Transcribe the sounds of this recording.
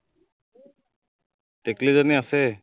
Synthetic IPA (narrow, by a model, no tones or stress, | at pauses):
t̪eklizaniase